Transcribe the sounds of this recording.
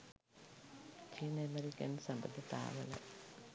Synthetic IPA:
t͡ɕinɐmeɾikːɐnsɐmbɐt̪ːit̪a̰ːʋɐlḛ

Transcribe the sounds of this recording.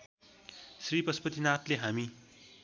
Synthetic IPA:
sripʌspʌt̪inat̪leɦami

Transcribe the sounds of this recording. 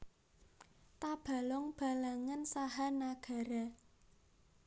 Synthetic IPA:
t̪ab̥ä̤lɔŋb̥a̤laŋansaɦanaɡ̥a̤ɾa

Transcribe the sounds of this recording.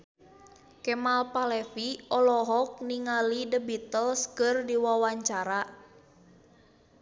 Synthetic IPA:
kɛmalpalɛfiɔlɔɦɔk̚niŋalidəbit̪əlskərdiwawaɲt͡ʃaɾa

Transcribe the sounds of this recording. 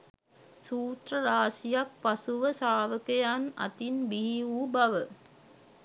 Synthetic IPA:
suːt̪rəɾaːsijak̚pasuʋəsaːʋəkejanɐ̰t̪inbiɦiubaʋə

